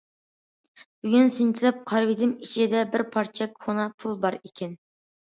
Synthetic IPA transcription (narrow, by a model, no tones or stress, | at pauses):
b̥yɡʲynsɪnt̪ʰɪlɛp̚qʰɑɾvid̪ɪmit͡ʃʰid̪ɛbɪɾpʰɑɾt͡ʃʰɛkʲχunɑpʰulˠbɑɾikʲʰɛn